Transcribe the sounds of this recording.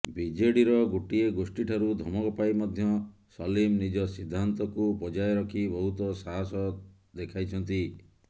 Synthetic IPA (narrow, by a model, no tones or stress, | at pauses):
bid͡ʒeɽiɾɔɡoʈieɡosʈiʈʰaɾud̪ʱɔmɔkɔpajmɔd̪ʱjɔsɔlimnid͡ʒɔsid̪ʱːant̪ɔkupɔd͡ʒajɔɾɔkʰibɔɦut̪ɔsaɦasɔ | d̪ekʰajt͡ʃʰɔnt̪i